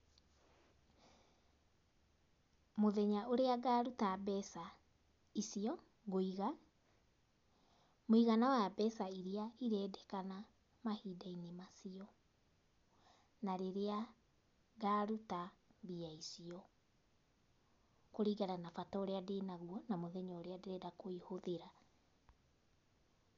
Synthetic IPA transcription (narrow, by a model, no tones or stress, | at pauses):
moðɛɲaoɾeaɡaːɾutabɛsa | isiɔ | ɣoiɣa | moiɣanawjabɛsaiɾiaiɾɛːdɛkana | mahiːdainemasiɔ | naɾeɾea | ɡaːɾutaβiaisiɔ | koɾiːɣaɾanafatɔoɾeadenaɣuɔnamoðɛɲɔoɾeadeɾɛɾakoihoðeɾa